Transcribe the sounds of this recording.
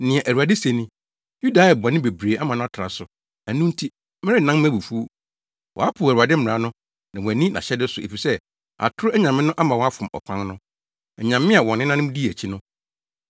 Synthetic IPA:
nɪ̃˨ɛ˨ʔæ˨ɾu˨a˨dɪ˦sæ˨nĩ˦ | ju˦da˨˦ɛ˨bɔ˨nɪ̃˦be˨bɾeː˨a˦mã˨nʊ̃˦a˦tʰɾa̰˨sʊ˨ | æ˨nũ˦n̩˦tʰi˦ | mɪ̃˦ɾɪ˦˨nã˦m˦æ˦bu˨fu˦ | wɔ̰˨a˦pʰʊ˨æ˨ɾa˨dɪ˦m̩˦m̩˨ɾa˦nʊ̃˦ | nã˨wɔ̃˨æ˨nĩ˦nã̰˨ɕɛ˦dɪ˦sʊ˨e˨fi˨sɛ˦ | a̰˨tʰʊ˦ɾæ˦ɲã˨mɪ̃˦nʊ̃˦ʔa˦mã˨wɔ˦a˦fʊ̃˨mɔ̰˨kʷʰã˦nnʊ̃˦ | ɛ˨ɲã˨mːɪ̃˦a˨wɔ̃˨nːɪ̃˦nã˦nʊ̃˦di˦˨æ˨t͡ɕʰi˦nʊ̃˦

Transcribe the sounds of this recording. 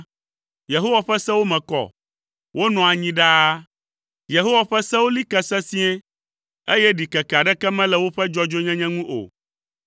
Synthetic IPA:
je˨ɦo˦wa˨ɸɛ˦sɛ̃˦wo˦mɛ̃˨kɔ̰˨ | wo˦nɔ̃˨a˨ɲĩ˦ɖa˦ | je˨ɦo˦wa˨ɸɛ˦sɛ̃˦wo˦li˦kɛ˦sɛ˦si˦ɛ̃˦ | e˦jɛ˦ɖi˨kɛ˨ka˨ɖɛ˦kɛ˦mɛ̃˦lɛ˨wo˦ɸɛ˦d͡ʒɔ˦d͡ʒo˦ɲɛ̃˦ɲɛ̃˦ŋũ˦ʔo̰˨

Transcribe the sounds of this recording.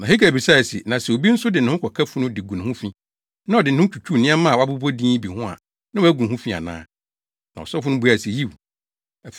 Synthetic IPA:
nã˨e˦kæ˨bi˨sa˦ɛ˨sɪ̰˨nã˨sɛ˨o˨bi˦n̩˦sʊ˦dɪ˨nʊ̃˨hʊ̃˦kʰɔ˨kʰa˦fʊ̃˦nʊ̃˦dɪ˨ɡũ˨ñ˨hʊ̃˦fĩ˦ | nã˦ɔ˨dɪ˨n̩˨˦ʊ̃˦t͡ɕʰᶣu˨t͡ɕʰu˦˨nɪ̃˦ɛ˦mã˦˨wɔ˨a˦bu˦bo˦dĩː˦bi˨hʊ̃˦a̰˨ | nã˦wæ˦ɡũ˨hʊ̃˦fĩ˦a̰˨nã̰ː˦ | nã˨ɔ̰˨sɔ˦fʊ̃˦nʊ̃˦bu˨˦a˨si˨ji˦w

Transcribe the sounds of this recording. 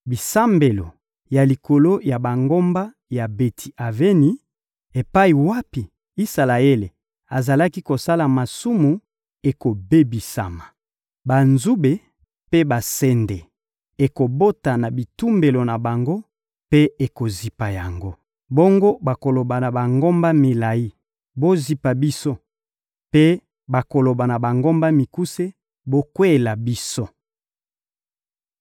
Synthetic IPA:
bi˨sa˦mbe˨lo˨ | ja˨li˨ko˨lo˦ja˨ba˨ŋɡo˦mba˦ | ja˨be˨tʰi˨ʔa˨ve˦ni˦ | e˨pa˦i˨wa˦pi˨ | i˦sa˨la˨e˦le˨ | a˨za˨la˦ki˦ko˨sa˦la˨ma˨su˦mu˨ | e˨ko˨be˦bi˨sa̰˨ma˨ | ba˨nzu˦be˨ | pe˦ba˨sɛ˦nde˨ | e˨ko˨bo˦ta˨na˨bi˨tu˦mbe˨lo˨na˨ba˨ŋɡo˦ | pe˦e˨ko˨zi˨pa˨ja˨ŋɡo˦ | bo˦ŋɡo˦ba˨ko˨lo˨ba˨na˨ba˨ŋɡo˦mba˦mi˨la˨ji˦ | bo˦zi˨pa˨bi˦so˦ | pe˦ | ba˨ko˨lo˨ba˨na˨ba˨ŋɡo˦mba˦mi˨ku˦se˦ | bo˦kwe˦e˨la˨bi˦so˦

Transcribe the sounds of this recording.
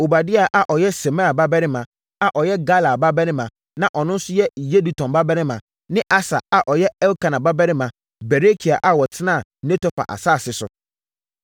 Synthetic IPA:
o˨ba˨dɪ˦a˨ʔa˨ʔɔ˨jɛ˦se˨mã˦a˨ba˦bɛ˦nɪ̃˦mã˨ | a˨ʔɔ˨jɛ˦ɡa˦la˨ba˦bɛ˦nɪ̃˦mã˨ | nã˦ʔɔ˨nʊ̃˦n̩˦sʊ˦jɛ˦je˦du˨tʰɔ̃˨mba˦bɛ˦nɪ̃˦mã˨ | nɪ̃˦ʔa˦sa̰˨a˨ʔɔ˨jɛ˦ɛ˦lkʰa˨nã˨ba˦bɛ˦nɪ̃˦mã˨ | bɛ˨ɾe˦kʰi˨a˨ʔa˦wɔ˨tʰɪ˦nã˦˨ne˦tʰɔ˦pa̰˨ʔa̰˨sa˦˨sɪ˨sʊ̰˨

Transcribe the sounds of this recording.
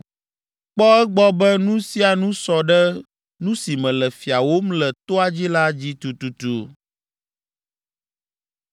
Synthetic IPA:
k͡pɔ˦ɛ˦ɡ͡bɔ˦bɛ˦nũ˦si˦a˨nũ˦sɔ˨ɖɛ˦ | nũ˦si˨mɛ̃˨lɛ˨fi˨a˨wo˦m˦lɛ˨t̪o˦a˨d͡ʑi˦la˦d͡ʑi˦t̪u˨t̪u˨t̪u˨

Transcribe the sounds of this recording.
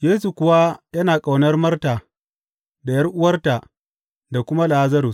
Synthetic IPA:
jeː˦su˨kʷʊ˨wa˦jɐ˦naː˨kʼa˨wnɐ˦rmɐ˦rtaː˨ | da˨jɐ˦rʔʊ˦wɐ˦rta˨ | da˨kʷʊ˦ma˦laː˨˦zɐ˦ɾʊ˨s

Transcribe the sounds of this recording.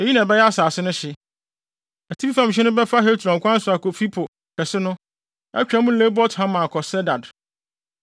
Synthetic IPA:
e˨ji˦nã˨bɛ˦jɛ˦a˦saː˨sɪ˦nʊ̃˦ɕɪ˨ | æ˨tʰi˦i˦fã˨m˨ɕ̬ᶣɪ˦nʊ̃˦bɛ˦fa˦ɦɛ˦tʰu˨ã˨ŋ˨kʷã˦n̩˦sʊ˨a˨ko˨fi˦pʰʊ˨ | kʰɛ˨sɪ˦nʊ̃˦ | ɛ̰˦t͡ɕᶣa˦mũ˦le˦bɔ˦thã˦mã˨kʰɔ˨sɛ˦da˨d

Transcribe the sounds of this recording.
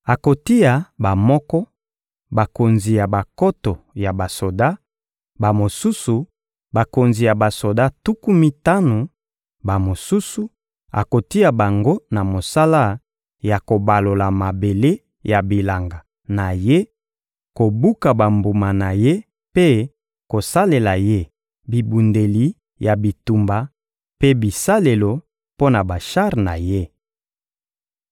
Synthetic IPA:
a˨ko˨ti˦a˨ba˨mɔ˦kɔ˦ | ba˨ko˨nzi˨ja˨ba˨ko˦to˨ja˨ba˨so˨da˦ | ba˨mo˨su˦su˨ | ba˨ko˨nzi˨ja˨ba˨so˨da˦tu˦ku˦mi˦ta˦no˨ | ba˨mo˨su˦su˨ | a̰˨ko˨ti˦a˨ba˨ŋɡo˦na˨mo˨sa˦la˦ | ja˨ko˨ba˨lo˨la˨ma˨be˨le˦ | ja˨bi˨la˨ŋɡa˨ | na˨je˦ | ko˨bu˦ka˨ba˨mbu˨ma˨na˨je˦ | pe˦ | ko˨sa˦le˨la˨je˦ | bi˨bu˨nde˨li˨ | ja˨bi˨tu˨mba˨ | pe˦bi˨sa˦le˨lo˨ | po˦na˨ba˨ʃa˦ʁna̰˨je˦

